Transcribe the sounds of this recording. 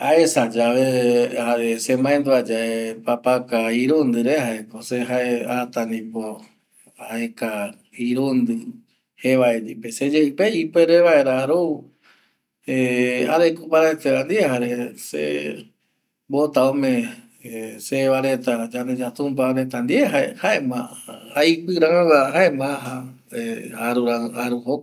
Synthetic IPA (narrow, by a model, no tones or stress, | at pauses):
aesad͡ʒaʋehaɾesemãend̪uad͡ʒaepapakaiɾund̪ɨɾehaekoseɦaeat̪anĩpo | aeka | iɾund̪ɨ | heʋaend̪ipesed͡ʒeɨpeipeɾeʋaeɾaɾo | eaɾekupaɾet̪eand̪iehaɾesḛ | bot̪aõmẽ | seʋaɾet̪ad͡ʒand̪ed͡ʒat̪ũmpaɾet̪and̪ieɦaehaemãaipɨɾãβaɦaemaɦa | eaɾuɾaaɾuɦo